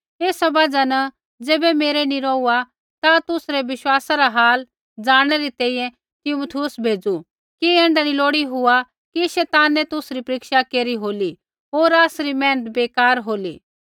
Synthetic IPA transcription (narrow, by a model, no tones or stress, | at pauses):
eːsabad͡zanɐ | d͡zeːbɛmeːɾɛniɾɔːua | t̪at̪ʊsɾɛʋɪʃwaːsaɾaɦaːl | d͡zaːɽ̃ɛɾit̪ɛ̃ːĩjɛ̃ | t̪ɪmot̪ʰiʊsbʱeːd͡zu | kiɛ̃ːɳɖaniloːɽiɦʊa | kiʃɛːt̪aːnɛt̪ʊsɾipɐɾɪkʃakeːɾiɦoːli | ɦoːɾaːsɾimɛ̃ːnət̪̚beːkaːɾɦoːlḭː